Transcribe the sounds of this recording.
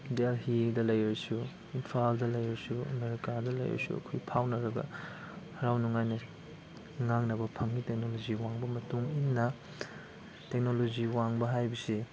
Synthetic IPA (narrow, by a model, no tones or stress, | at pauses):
dalhidɐlɐjɐsu | inpʰaldɐlɐjɾɐsuɐ̰meɾikadɐlɐ̰jɾḛsṵɐ̰kʰojpʰawnɐɾɐɡɐ̰ | hɐɾawnuŋajnɐ | ŋaŋnɐbɐpʰɐŋːitek̚noloziwaŋbɐmɐtuŋinːɐ | tek̚noloziwaŋbɐɦajbisi